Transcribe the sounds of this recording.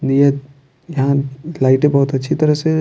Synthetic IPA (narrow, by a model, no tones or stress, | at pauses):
ije | jɐɦãlaːɪʈẽbɔɦut̪ɐtːʃʰit̪ɐɾəɦse